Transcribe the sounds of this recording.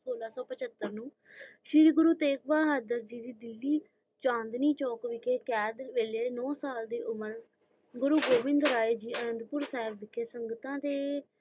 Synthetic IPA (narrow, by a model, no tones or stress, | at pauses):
soːlaːsɔːpət͡ʃət̪ːəɾnũː | ʃɪɾɡʊɾuːt̪eːk̚baːɦəːd̪əɾd͡ʒiːd̪iːd̪ɪlːiː | t͡ʃãːnd̪niːt͡ʃɔːkʋɪkʰeːkɛːd̪ʋeːleːnɔːsaːld̪eːʔʊməɾ | ɡʊɾuːɡoːʋɪ̃nd̪ɾaːeːd͡ʒiːənənd̪pʊɾsɛːɪbːɪkʰːeːsəŋɡt̪ãːt̪eː